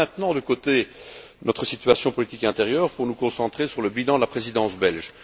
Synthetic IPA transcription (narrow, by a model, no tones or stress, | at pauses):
ɛ̃t̪nɑ̃d̪əkot̪e | nɔt̪χəsit̪ɥasjɔ̃pɔlit̪ikɛ̃t̪eʁjœːʁpuʁnukɔ̃sɑ̃t̪χesyʁləbilɑ̃d̪əlapχezid̪ɑ̃sbɛlʒ